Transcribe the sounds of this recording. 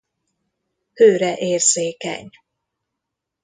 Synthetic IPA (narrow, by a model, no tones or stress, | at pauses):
høːɾɛʔeːrzeːkɛ̰ɲ